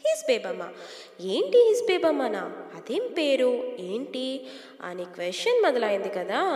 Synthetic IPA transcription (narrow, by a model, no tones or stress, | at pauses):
hisbeːbɐmːa̰ | eːɳʈiɦisbeːbɐmːɐnaːɐd̪empeːɾueːɳʈi | ɐ̰nikʋesʈɐnmɐd̪ɐlaːjind̪ikɐd̪a